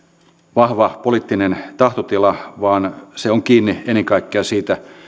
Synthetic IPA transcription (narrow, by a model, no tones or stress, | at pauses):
ʋɑhʋɑpoliˑt̪ːinent̪ɑht̪ot̪ilɑʋɑːnseoŋkiːnːieneŋkɑikːeɑsiːt̪æ